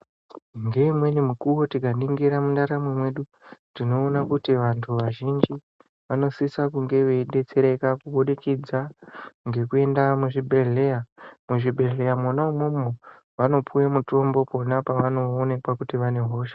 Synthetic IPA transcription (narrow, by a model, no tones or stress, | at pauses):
ŋɡe̞imwe̞nimukuwo̞tikaniŋɡiɾamundaɾamwemwe̞ɗu | dino̞ːnakutiʋantʰuʋaʒind͡ʒi | ʋano̞sisakuŋɡe̞ʋe̞iɗe̞t͡se̞ɾe̞kakuɓoɗikid͡zaŋɡe̞kue̞ndamuʐibʱe̞ɮe̞jamuʐibʱe̞ɮe̞jamwonaumomo | ʋano̞pʰujemuto̞mbo̞po̞napaʋano̞ːne̞kwakutiʋane̞ɦo̞ːʃḁ